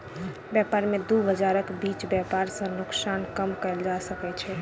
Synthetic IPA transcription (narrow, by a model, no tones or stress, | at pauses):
bjɛpaɾmed̪ubʱəd͡ʒaɾəkbit͡ʃbjɛpaɾsə̃nʊksankəmkəɪld͡ʒasəkɛt͡ʃʰɛ